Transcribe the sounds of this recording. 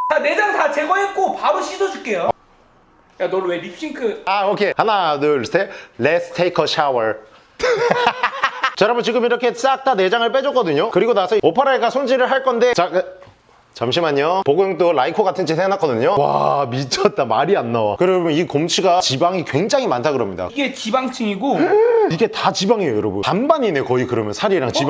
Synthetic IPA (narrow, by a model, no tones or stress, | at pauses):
t͡ɕane̞d͡ʑaŋtat͡ɕeɡʌek͈opabɯɕʰidod͡ʑuk͈ejo | janoɭwebiɕ͈ʰiŋkʰɯaokʰe̞hanadɯɭsʰelesʰɯ̥tʰejkʰʌɕʰawʌɾ | t͡ɕʌɾamɯt͡ɕiɡɯmiɾʌkʰe̞s͈ak̚t͈ʰane̞d͡ʑaŋɯɭp͈ed͡ʑʌk͈ʌdɯɲokɯɾiɡonasʰʌopʰaɾaeɡasʰond͡ʑiɾɯɭɦaɭk͈ʌnde̞t͡ɕak | t͡ɕamɕ̬ʰimaɲopoɡʌŋt͈oɭaikʰoɡatʰɯnd͡ʑisʰenak͈ʌdɯɲowa̰mit͡ɕʰʌt̚t͈amaɾianːawakɯɾʌmʌnikomt͡ɕʰiɡat͡ɕibaŋikwe̞ŋd͡ʑaŋɦimantʰaɡɯɾʌmɲḭda̰ɡet͡ɕibaŋt͡ɕʰɯŋiɡoiɡe̞tat͡ɕibaŋejojoɾʌbṵnanbaɲinekʌikɯɾʌmjʌnsʰaɾiɾaŋt͡ɕi